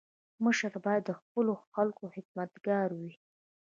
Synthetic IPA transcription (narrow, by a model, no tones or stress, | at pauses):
məʃəɾbɑjad̪ːəxpəloxalkohɪkmat̪ɡɑɾwi